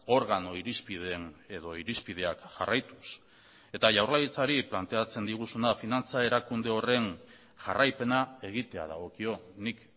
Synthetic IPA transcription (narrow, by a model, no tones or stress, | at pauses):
o̞ɾɣano̞iɾispiðeneðo̞iɾispið̞e̞akʝarajt̪us | e̞t̪aʝawrlajit͡saɾiplant̪e̞at͡se̞nd̪iɣ̞usunafinant͡sae̞ɾakund̪e̞o̞re̞n | ʝarajpe̞nae̞ɣ̞it̪e̞a̰ða̰ɣ̞o̞kio̞nik